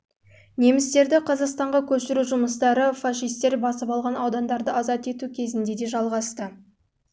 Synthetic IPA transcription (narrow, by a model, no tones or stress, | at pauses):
ne̞mɪst̪e̞ɾd̪ɪqʰɑzɑqst̪ɑɴʁɑkʲʰɵʃɪɾuʒʊməst̪ɑɾəfaʃijst̪e̞ɾbɑsəpɑlˠʁɑnɑwd̪ɑnd̪ɑɾd̪əɑzɑt̪e̞t̪ukʲʰe̞zɪnd̪e̞d̪e̞ʒɑlˠʁɑst̪ə